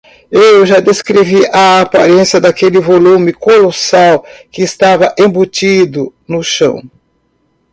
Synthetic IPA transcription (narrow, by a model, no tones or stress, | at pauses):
ewʒad̪eskɾeviʔaapa̰ɾẽsjɐd̪akelɪvolũmɪkolosawkɪːst̪avɐʔẽbut͡ʃid̪ʊnʊʃɐ̃w̃